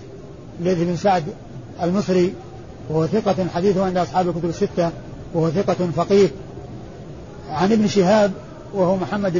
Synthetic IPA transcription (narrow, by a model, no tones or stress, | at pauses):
leːðɪbnsaʕd̪ | almɨsˤɾi | wahʊθɪqɑħad̪iːθʊʕɪnd̪ʔɑsˤħɑːblkʊt̪ʊbɪsːɪt̪ːa | wahʊaθɪqɑfɑqiːɾ | ʕanʔɪbnʃɪɦaːb̚ | wahumʊħamːad̪